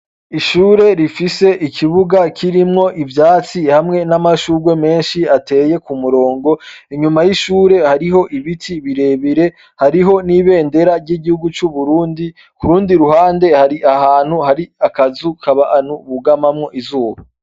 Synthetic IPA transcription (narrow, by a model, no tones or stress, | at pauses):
iʃuːɾe̞ɾifise̞ʔikʰiβuɡakʰiɾimŋo̞ʔivjaːt͡sihamŋe̞namaʃuːɡwe̞me̞ːnʃiate̞je̞kumuɾo̞ːŋɡo̞iɲumajiʃuːɾe̞haɾiɦo̞ʔiβitʰiβiɾe̞βiɾe̞ | haɾiɦo̞niβe̞ːnde̞ɾaɾɟiɡihuɡut͡ʃuβuɾuːndi | kuɾuːndiɾuhaːnde̞haɾiʔahaːn̥huhaɾiakazukʰaβaʔanhuβuɡamamŋo̞ʔizuːβa